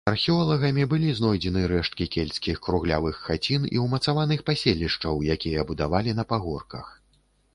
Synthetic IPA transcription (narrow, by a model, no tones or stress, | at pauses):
ɐrxʲiɔlˠɐɣɐmʲibɨlʲiznɔjd͡zʲɛnɨɾɛʂt̪̚kʲikʲelʲsʲkʲixkɾuɣlʲavɨxːat͡sʲinḭwmɐt̪savanɨxpasʲelʲːiʂt͡ʂɐwjakʲijɐbud̪avalʲin̪ɐpaɣɔrkɐx